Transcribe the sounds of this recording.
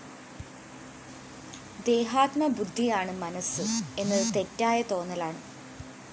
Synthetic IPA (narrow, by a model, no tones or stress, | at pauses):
d̪e̞ːɦaːt̪mɐbud̪ʱːijaːɳɨmɐnɐsɨe̞nːɨt̪e̞tːaːjɐt̪o̞ːnːɐlaːɳɨ